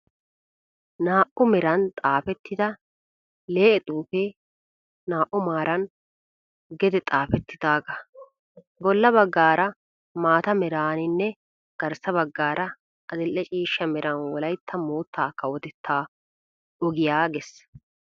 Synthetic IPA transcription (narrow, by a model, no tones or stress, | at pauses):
naːʔʊmɛɾɐnt̪ʼaːfɛt̪ːɪd̪ɐ | le̞ːʔɛt̪ʼuːfeː | naːʔːʊmaːɾɐn | ɡɛd̪ɛt̪ʼaːfɛt̪ːɪd̪aːɡɐ | bɔlːɐbɐɡːaːɾɐ | maːt̪ɐmɛɾaːnɪnːɛ | ɡ̥ɐɾsɐbɐɡːaːɾɐ | ʔɐd̪ɛlːɛt͡ʃʼiːʃːɐmɛɾɐnwɔlɐjt̪ʰːɐmoːt̪ʰːaːkːɐwɔt̪ɛt̪ʰːaː | ɔɡɪjaːɡɛs